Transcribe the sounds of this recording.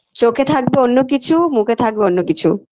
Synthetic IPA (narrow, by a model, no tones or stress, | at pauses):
t͡ɕokʰet̪ʰak̚beonːok̬it͡ɕʰumukʰet̪ʰak̚beonːokit͡ɕʰu